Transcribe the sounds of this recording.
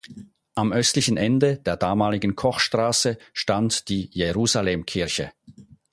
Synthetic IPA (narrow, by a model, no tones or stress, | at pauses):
ʔamʔœstlɪçən̩ʔɛndəd̥eːɐdaːmaːlɪɡən̩kʰɔχʃtʁ̥aːsəʃtantd̥iːjeʁuːzaleːmkʰɪɐçə